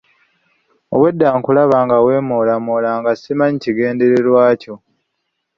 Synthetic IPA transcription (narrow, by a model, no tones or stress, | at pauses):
owe̞dːaːŋkulaβaːŋɡawe̞ːmoːlamoːlaːŋɡasimaɲiciɡe̞ːnde̞ɾe̞ɾwaːco̞